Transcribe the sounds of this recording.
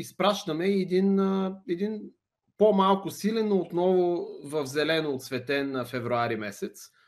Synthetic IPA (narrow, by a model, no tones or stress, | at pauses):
ispɾaʃt̪əmɛːd̪inəɛd̪in | pomalˠkʊsilɛnoːt̪nɔvʊvəvzɛlɛnoːt̪svɛt̪ɛnɐfɛvɾʊaɾimɛsɛt̪s